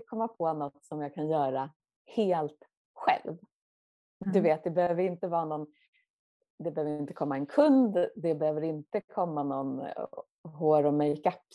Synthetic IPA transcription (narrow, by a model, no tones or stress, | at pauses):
kʰɔmːapʰɔnɔt̪ːsɔmjaːɡkʰanjœːɾa | heːlt̪ | ɧɛ̰lv | d̪ɵveːt̪̚d̪ɛbɛhøːvəɾɪnt̪əvɑːnɔn | d̪ɛbɛhøːvəɾɪnt̪əkʰɔmːaɛnkʰɵnd̪d̪ɛbɛhøːvəɾɪnt̪əkʰɔmːanɔn | ɦoːɾɔmɛjkakː